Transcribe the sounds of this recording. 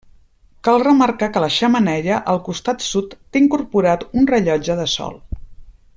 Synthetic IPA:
kalˠrəməɾkakələʃəmənɛʎəʔəlˠkust̪at̪sut̪ːeiŋkurpuɾat̪unrəʎɔd͡ʒəðəsɔ̰lˠ

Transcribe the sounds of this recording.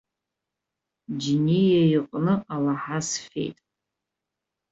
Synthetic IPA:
d͡ʒinejajiqʼnɨalaħasfḛjtʼ

